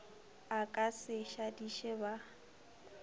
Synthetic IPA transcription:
akʼasɪʃadiʃɛba

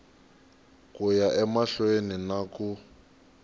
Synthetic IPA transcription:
kʼujaʔɛmaɬweninaku

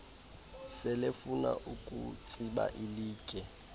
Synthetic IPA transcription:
sɪlɪfuna̰ʔukʼṵt͡sʼiba̰ʔɪliːkʼɛ

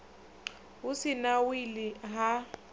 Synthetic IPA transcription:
ʊsɪnawilɪɦa

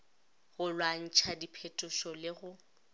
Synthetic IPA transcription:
ɣʊlwan̩t͡ʃʰadipʰɛtʼʊʃɔlɪɣʊ

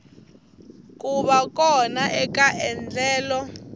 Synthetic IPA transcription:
k̬ʼuɓak̬ʼɔnaʔɛkaʔɛnd͡ɮɛːlɔ

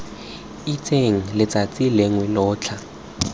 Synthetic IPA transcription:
it͡sʰʼeŋ̩lɪt͡sʼat͡sʼilɪŋwɛlʊːt͡ɬʰa

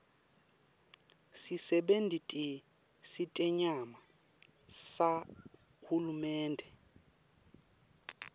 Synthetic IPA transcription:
sisɛɓendʱitʼi | sitʼɛɲama | sa | hulumɛːndʱɛ

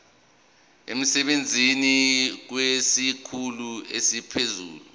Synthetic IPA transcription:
ḛm̩sɛɓend͡zʱinik̬wesikʰuluesipʰezṵːlu

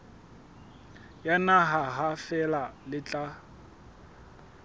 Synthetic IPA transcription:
janaɦaɦafɛlalɪt͡ɬʼa

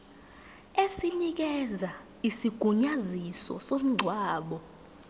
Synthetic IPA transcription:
esinik̬ɛza | isiɡ̥ʱuɲazisɔ̰som̩ŋ͡ǀʱwaːɓɔ

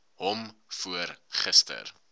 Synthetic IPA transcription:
ɦɔmfuərχəstə̰r

